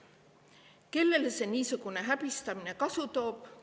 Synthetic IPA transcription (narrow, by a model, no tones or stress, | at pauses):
ke̞lːe̞lese̞niːsuɡ̥une̞ɦæb̥ist̪ɑmine̞kɑsut̪o̞ːb̥